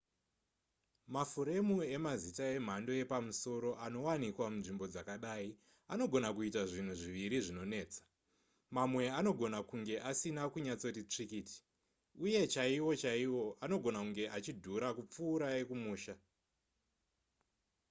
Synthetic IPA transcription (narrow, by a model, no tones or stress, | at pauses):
mafuɾe̞mue̞mazitae̞m̤ando̞e̞pamuso̞ɾo̞ʔano̞wanikwamunʐimbo̞d͡zakaɗaːi | ano̞ɡʱo̞nakuitaʐin̤uʐiʋiɾiʐino̞ne̞ːt͡sḁ | mamwe̞ano̞ɡʱo̞nakuŋɡe̞ʔasinakuɲat͡so̞tit͡ʂikiːti̥ | uje̞t͡ʃaiwo̞t͡ʃaiwo̞ʔano̞ɡʱo̞nakuŋɡe̞ʔat͡ʃidʱuɾakup͡fuːɾae̞kumuːʃa